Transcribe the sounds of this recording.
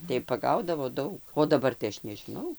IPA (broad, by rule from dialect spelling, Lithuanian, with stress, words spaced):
tɐɪ pɐˈɡɐʊdɐʋoː ˈdɐʊk oː dɐˈbɐr tɐɪ ˈɐʃ nʲɛʒʲɪˈnɐʊ